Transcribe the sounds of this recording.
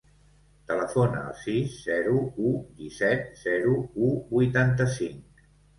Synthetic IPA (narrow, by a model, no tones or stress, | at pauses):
t̪ələfonə̰ə̰lˠsisːɛɾuud̪isɛt̪̚z̥ɛɾuubujt̪ant̪əsiŋk